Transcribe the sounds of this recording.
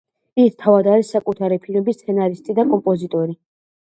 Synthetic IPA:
ist̪ʰːavad̪aɾisːakʼut̪ʰaɾipʰinɔbist̪sʰɛnaɾist̪ʼid̪akʼɔmpʼɔzit̪ʼɔɾi

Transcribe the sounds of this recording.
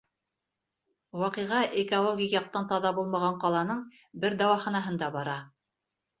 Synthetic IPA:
wɑqɤjʁɑʔekolˠoɡʲijjɑq̚t̪ɑnt̪ɑðɑbulˠmɑʁɑɴqɑlˠɑnɤɴ | bɘɾd̪ɑwɑχɑnɑɦɤnd̪ɑbɑɾɑ

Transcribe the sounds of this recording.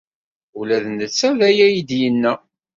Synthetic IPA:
ulæðnət͡sːæðæjæjid̪jənːæ

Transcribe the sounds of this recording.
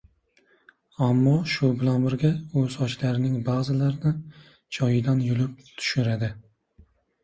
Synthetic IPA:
amːɒʃʊbɪlanbɪɾɡʲaɵzɒt͡ʃlaɾɪnɪŋbazɪlaɾnɪ | t͡ʃʰɒjɪd̪anjʊlɪp̚t̪ʰʊ̥ʃɪɾad̪ɪ

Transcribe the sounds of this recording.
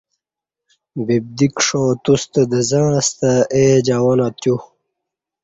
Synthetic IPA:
bib̚d̪ikʂoːt̪ust̪əd̪əzãːɾɐst̪aʔed͡ʑawanat̪ju

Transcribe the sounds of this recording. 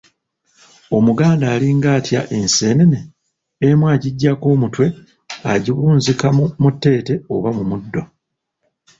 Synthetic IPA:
o̞muɡaːndaːliŋɡaːtja̰ʔe̞nse̞ːneneː | mwaːɟiɟːako̞ːmutwe̞ | a̰ɟiβuːnzikamutːe̞ːte̞o̞̰βamumudːo

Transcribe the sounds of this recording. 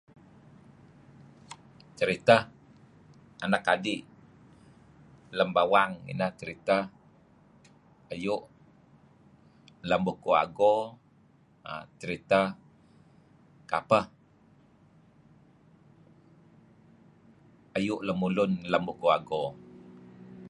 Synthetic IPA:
t͡ʃəɾit̪ə | anakadiʔ | ləmbawaŋḭnəht͡ʃəɾit̪ə | ajʊʔ | ləmbukua̰ɡo | a̰t͡ʃəɾit̪ə | kapəh | ajʊʔləmulʊnləmbukua̰ɡo

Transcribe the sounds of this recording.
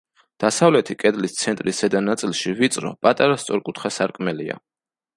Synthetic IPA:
d̪̥asavlɛt̪ʰikʼɛd̪list̪sʰɛnt̪ʼɾisad̪anat̪sʼilˠʃivit̪sʼɾɔ̰pʼat̪ʼaɾast̪sʼɔɾkʼut̪ʰχasaɾkʼmɛlia̰

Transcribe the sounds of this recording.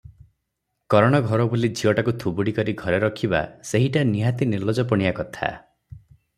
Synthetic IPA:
kɔɾɔɽ̃ɔɡʱɔɾɔbulid͡ʒʱiɔʈakut̪ʰubuɽikɔɾiɡʱɔɾeɾɔkʰiba̰seɦiʈaniɦat̪inilɔd͡ʒɔpɔɽ̃ijakɔt̪ʰa̰

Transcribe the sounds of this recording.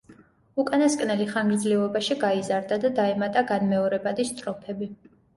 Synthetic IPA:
ukʼanaskʼnɛliχaŋɡɾd̪zlivɔbaʃiɡaizaɾd̪ad̪ad̪aɛmat̪ʼaɡanmɛɔɾɛbad̪ist̪ʼɾɔpʰɛbi

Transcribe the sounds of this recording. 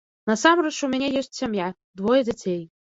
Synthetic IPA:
nɐsamɾɛt͡ʂumʲanʲɛjɔsʲt͡sʲsʲamja | d̪vɔjɛd͡zʲat͡sʲej

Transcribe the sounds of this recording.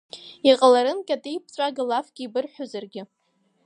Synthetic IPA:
iqʼalaɾɨnkʲʼatʼejpʰt͡ɕʷʼaɡɨlafɡ̥ʲiːbɨrħʷᶣozarɡʲɪ

